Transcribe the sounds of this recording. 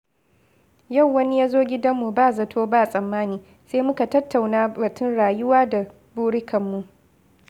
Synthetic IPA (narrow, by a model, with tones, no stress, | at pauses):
ja˦˨wːɐ˦ni˦jaː˦zoː˦ɡʲɪ˦dɐ˦mːu˨baː˦˨zɐ˨tʰoː˦baː˦˨sʼɐ˨mːaː˦niː˨ | se˦mʊ˦ka˨tɐ˦tːa˨wnaː˦bɐ˨tʊ˦nɽaː˨jʊ˦waː˦da˨ | buː˦ɽɪ˦kɐ˨mːu˨ʔ